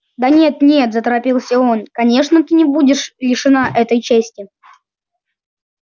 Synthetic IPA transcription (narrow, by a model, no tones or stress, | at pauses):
d̪ɐnʲet̪nʲet̪zət̪əɾɐpʲilˠsʲəo̞nkɐnʲe̞ʂnət̪ɨnʲɪbudʲɪʂlʲɪʂɨnaʔɛt̪əjt͡ɕesʲtʲɪ